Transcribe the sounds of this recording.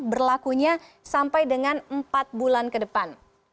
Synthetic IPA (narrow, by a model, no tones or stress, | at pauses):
bərlakuɲasampajdəŋanəmpat̪̚bulankədəpan